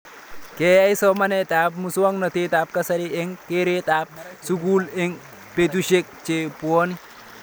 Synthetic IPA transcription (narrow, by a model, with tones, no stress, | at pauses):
ke˨a˦i˦sɔ˦ma˦netaː˨pmu˨su˦wa˦ŋnɔ˨te˦ta˨p̚kasaɾi˦ɛŋkeɾetaː˨p̚suɡuːle˦ŋ | pe˨t̬uʃe˦k̚t͡ʃe˨pu˨o˦ni˦